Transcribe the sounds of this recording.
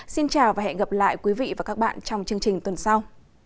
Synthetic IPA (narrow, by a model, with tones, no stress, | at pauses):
si˧nt͡ɕaː˨˩wvaː˨˩ɛ̰˧˨ɣə˨˩p̚la̰ː˧˨jkwi˨˦vḭ˧˨vaː˨˩kaː˦˥k̚ɓa̰ː˧˨nt͡ɕɔ˧wŋ͡mt͡ɕɨ˧əŋt͡ɕï˨˩ŋ̟t̪wə˨˩nsa˧w